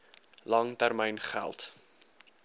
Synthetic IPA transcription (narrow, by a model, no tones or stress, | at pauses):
lɐŋtærməjnχæ̰lˠt